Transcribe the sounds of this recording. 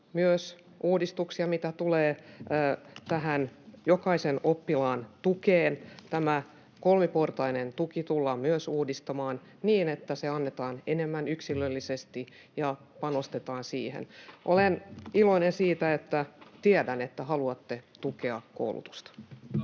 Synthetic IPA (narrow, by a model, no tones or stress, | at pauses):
myøs | ʔuːdist̪uksiɑmit̪æt̪uleː | t̪æɦænjokɑisenopːilɑːnt̪ukeːnt̪æmæ | kolmiport̪ɑinent̪ukit̪ulːɑmyøsuːdist̪ɑmɑːn | niːnet̪ːæseɑnːet̪ɑːnenemːænyksilːølːisest̪i | jɑ | pɑnost̪et̪ɑːnsiːhḛnʔoleniloinensiːt̪æet̪ːæt̪iedænet̪ːæhɑluɑt̪ːet̪ukeɑkko̰ulṵt̪u̥st̪ɑ̥